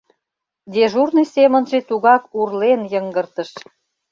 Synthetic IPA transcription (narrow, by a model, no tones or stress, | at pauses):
d̪eʒurnɨjsemə̆nʒet̪uɣɑkurlenjəŋɡə̆rt̪ə̆ʃ